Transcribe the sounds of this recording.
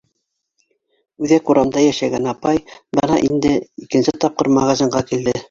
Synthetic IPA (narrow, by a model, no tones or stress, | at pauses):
ʉðæquɾɑmd̪ɑjæʃæɡænɑpɑjbɤnɑ̰ʔind̪ɘikɘ̆nsɘt̪ɑp̚qɤɾmɑʁɑzʲiɴɢɑkild̪ɘ